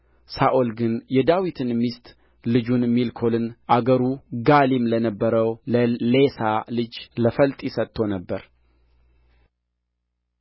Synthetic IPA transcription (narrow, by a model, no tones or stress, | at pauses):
saʔolɡɨnjɛd̪awit̪ʰɨnmist̪ʼ | lɨd͡ʒunmilkʰo̞lɨnʔaɡəɾuɡalimlənəbːəɾəwləle̞salɨd͡ʒləfəlt̪ʼsət̪ʰːo̞nəbːəɾ